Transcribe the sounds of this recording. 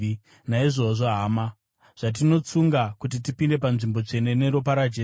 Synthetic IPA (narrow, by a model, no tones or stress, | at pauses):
naiʐo̞ʐo̞ɦaːma | ʐ̥at̬ino̞t͡suŋɡakut̬it̬ipinde̞panʐimbo̞t͡ʂe̞ne̞ne̞ɾopaɾad͡ʒe